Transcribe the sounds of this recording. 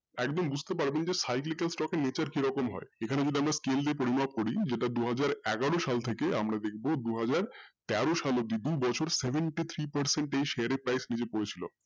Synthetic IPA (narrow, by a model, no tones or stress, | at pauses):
ɛkd̪ombud͡ʑʱt̪epaɾbend͡ʑesajklikelsʈɔkenet͡ɕaɾkiɾɔkomɦɔ̰eekʰaned͡ʑoɖiamɾaskeld̪epoɾimab̚koɾid͡ʑeʈad̪uɦad͡ʑaɾɛɡaɽoʃalt̪ʰekea̰mɾad̪ek̚ʰbod̪uɦad͡ʑaɾt̪ɛɾoʃalod̪id̪ubɔt͡ɕʰoɾsebʱeɳʈit̪ʰɾipɐɾseɳʈejʃeaɾepɾajsnid͡ʑepoɾet͡ɕʰilo̰